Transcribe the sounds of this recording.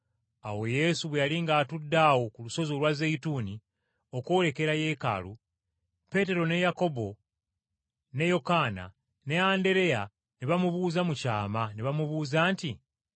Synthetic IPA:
awo̞je̞suβwejaliŋɡaːtudːaːwo̞kuluso̞zo̞lwazeituni | o̞ko̞ːle̞ke̞ɾaje̞ka̰lu | pe̞te̞ɾo̞ne̞jako̞bo̞ | ne̞jo̞kana̰ | ne̞aːnde̞ɾe̞ja | niβamuβuːzamucaːmaniβamuβuːzaːnti

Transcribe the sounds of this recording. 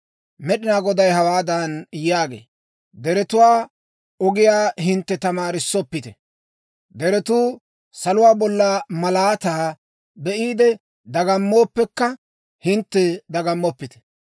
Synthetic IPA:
mɛɗɪnaːɡɔd̪ɐjɦɐwaːd̪ɐnjaːɡḛː | d̪ɛɾɛt̪ʊwaː | ɔɡɪjaːɦɪnt̪ːɛt̪ɐmaːɾɪsːɔpːɪt̪ɛ | d̪ɛɾɛt̪uː | sɐlʊwaːbɔlːɐmɐlaːt̪aː | bɛʔiːd̪ɛ | d̪ɐɡɐmːo̞ːpːɛkːɐ | hɪnt̪ːɛd̪ɐɡɐmːɔpːɪt̪ɛ̥

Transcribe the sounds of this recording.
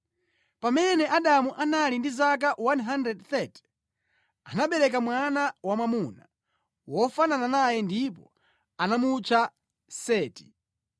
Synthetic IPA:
pamɛnɛʔaɗamuʔanalindizak̬awanɦandɾɛdθɛti̥ | anaɓɛɾɛk̬amwanawamamuna | wɔfanananajɛndipɔ | anamut͡ʃa | sɛːti̥

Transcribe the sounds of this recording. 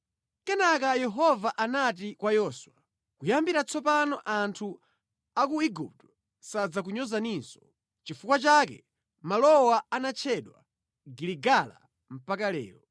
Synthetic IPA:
kɛnakajɛɦɔvaʔanat̬ikwajɔswa | kujambiɾat͡sʰɔp̬anɔʔantʰu | akuiɡup̚tɔ̥ | sad͡zak̬uɲɔzaninsɔ̥ | t͡ʃifukwat͡ʃaːk̬ɛ | malɔwaanat͡ʃʰɛɗwa̰ | ɡiliɡala̰ | m̩pakalɛ̰ːɾɔ

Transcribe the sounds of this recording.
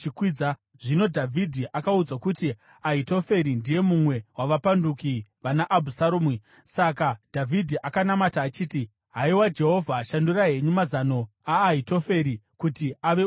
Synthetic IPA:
ikwid͡za | ʐino̞dʱavʱidʱiʔakaud͡zakuti | aito̞fe̞ɾindije̞mumwe̞waʋapandukiʋanaʔːbʱusaɾoːmi | sakad̥ʱavʱidʱiʔakanamataːt͡ʃiːti | ɦaiwad͡ʒe̞ɦo̞vʱaʃanduraɦe̞ɲumazano̞ | aːito̞fe̞ɾikutiaʋe̞

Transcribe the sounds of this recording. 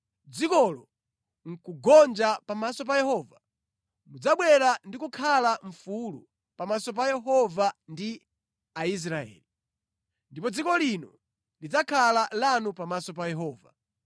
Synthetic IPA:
d͡zikɔlɔ | ŋ̩kuɡɔnd͡ʒapamasɔp̬ajɛhɔva | mud͡zaɓwɛɾandikukʰalaɱ̩fulṵ | pamasɔp̬ajɛɦɔvandi | ais̬ɾaɛ̰ːli | ndipɔd͡zikɔlinɔ | lid͡zakʰalalanupamasɔp̬ajɛɦɔːva

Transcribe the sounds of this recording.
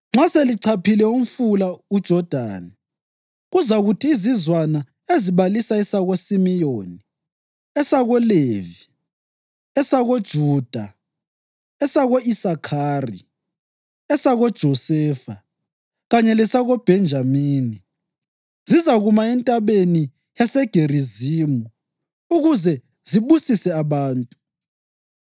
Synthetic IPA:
ŋ͡ǁaseliǀʰapʰilɛum̩fulaud̥ʒ̥ʱɔd̥ʱa̰ːni | ɣuzaɣutʰiːzizwana | eziβalisaɛsaɣosimijoːni | ɛsaɣɔleːvi | ɛsaɣod̥ʒ̥ʱuːd̥ʱa | ɛsaɣoisakʰaːrḭ | ɛsaɣɔd̥ʒ̥ʱɔsɛːfa | ɣaɲɛlɛsaɣob̥ʱɛnd͡ʒʱamiːni | zizaɣumaɛntʼaβeni | jasɛɡ̥ʱeriziːmu | uɣuzɛ | ziβusisɛaβaːntʼu

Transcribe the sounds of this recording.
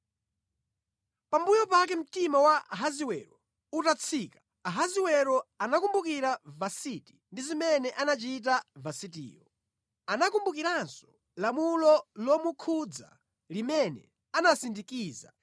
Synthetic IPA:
pambujɔpak̬ɛm̩timawaɦaziwɛɾɔ | utat͡sʰikḁ | aɦaziwɛɾɔanakumbukiɾavasiti̥ndizimɛnɛʔanat͡ʃit̬avasitḭːɔ | anakumbukiɾansɔ̥ | lamulɔlɔmukʰud͡za̰ | limɛnɛ̰ | anasindikiːza̰

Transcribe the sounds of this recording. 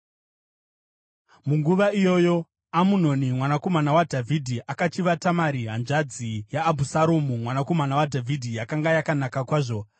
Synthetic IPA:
muŋɡuʋaijo̞jo̞ | amuno̞nimwanako̞manawadʱavʱidʱiʔakat͡ʃiʋatamaɾiɦanʐad͡zijaːbʱusaɾomumwanako̞manawadʱavʱidʱijakaŋɡajakanakakwaːʐo̞

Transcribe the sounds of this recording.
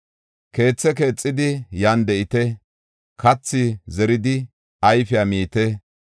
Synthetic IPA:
ke̞ːt͡sːɛke̞ːt͡sʼːɪd̪ɪjaːnd̪ɛʔɪt̪ɛ | kɐt͡sːɪzɛɾɪd̪ɪ | ɐjfɪjamiːt̪ɛ

